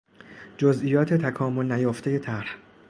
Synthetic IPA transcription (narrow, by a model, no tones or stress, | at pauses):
d͡ʒozʔijɒːt̪ʰe̞t̪ʰækʰɒːmo̞lnæjoːft̪e̞je̞t̪ʰæɾh